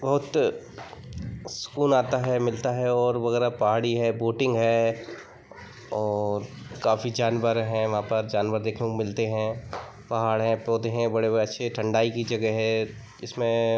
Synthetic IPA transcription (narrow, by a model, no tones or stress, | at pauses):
bɐɦʊt̪ | sʊ̥kuːnaːt̪aɦɛmɪlt̪aɦɛɔːɾʋɐɣɛːɾapɐɦaːɽiɦɛboːʈɪ̃ŋɡɦɛ | ɔːɾkaːfid͡ʒaːnʋəɾɦɛ̃ʋɐɦãpɐɾd͡ʒaːnʋəɾd̪eːkʰnekomɪlt̪eɦɛ̃ | pɐɦaːɽɦɛ̃pɔːd̪eɦɛ̃bɐɽebɐɽeɐtːʃʰeʈʰɐ̃ɳɖaːikid͡ʒɐɡɛɦɛ | ɪsmẽ